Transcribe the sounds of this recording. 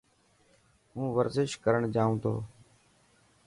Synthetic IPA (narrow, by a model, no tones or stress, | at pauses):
ɦũːʋəɾzɪʃkəɾəɳd͡ʒaːũːt̪ʰo̰ː